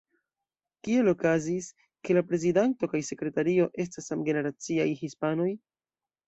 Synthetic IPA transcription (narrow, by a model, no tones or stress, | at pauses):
kie̞lo̞kazis | ke̞lapɾe̞zidanto̞kajse̞kɾe̞taɾio̞ʔe̞s̬tasamɡe̞ne̞ɾat͡siajhispano̞j